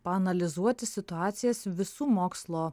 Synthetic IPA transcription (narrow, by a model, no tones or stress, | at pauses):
pɐɐnɐlʲɪzuɔt̪ʲɪsʲɪt̪ʊɑːt̪sʲɪjɛsʋʲɪsuːmoːkslˠoː